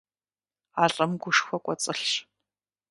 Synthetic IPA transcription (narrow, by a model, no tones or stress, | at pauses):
aːɬʼɐmɡʷʊʂxʷɔkʷʼɔt͡sʼɨɬɕ